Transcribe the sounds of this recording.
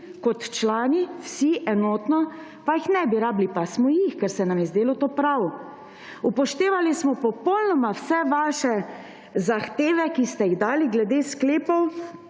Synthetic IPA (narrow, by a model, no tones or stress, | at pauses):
kɔt̪t͡ʃlaːniwsiʔɛnoːt̪nɔ | pajixnɛbiɾaːblipasmɔjixkɛɾsɛnamjɛzd̪eːlɔt̪oːpɾaw | upɔʃt̪eːʋalismɔpɔpɔwlnɔmawsɛʋaːʃɛ | zaxt̪eːʋɛkist̪ɛjiɣd̪aːliɡlɛd̪eːskleːpɔw